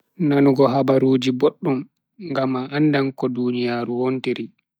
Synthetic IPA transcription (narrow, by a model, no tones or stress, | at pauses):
nanuɡɔɦabaɾuːd͡ʒiboɗːum | ŋɡamaʔandankɔdunijaːɾuwontiɾi